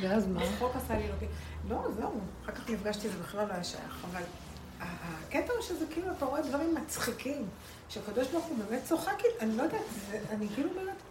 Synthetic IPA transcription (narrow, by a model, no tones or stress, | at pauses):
veazmanʁokasalilokilo̞zeuχakaχnifɡaʃt̪iezebeχlalːojaʃa̰ja̰χaval | aaket̪aʃezekiːluapaʁedvaʁimːat͡sχikim | ʃeakad̪oʃbaʁχubemett͡soχakitanilo̞jd̪atzeanikiːlubemet